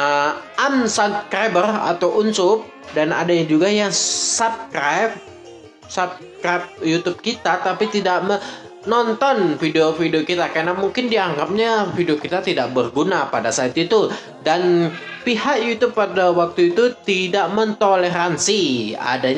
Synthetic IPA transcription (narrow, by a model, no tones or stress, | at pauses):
əʔamsapskɾajbəra̰t̪awʔunsʊp̚ | dana̰daɲad͡ʒuɡajaŋsap̚skɾajp̚ | sap̚ | kɾap̚jut̪ub̚kit̪at̪apit̪idaʔmə | nɔnt̪ɔnfideofideokit̪akarnamuŋkɪndiaŋɡap̚ɲafidiokit̪at̪idaʔ̚bərɡunapadasaɪt̪it̪u | danpihaʔjut̪ʊbpːadawak̚t̪uit̪ut̪idaʔmənt̪oleɾansia̰daɲ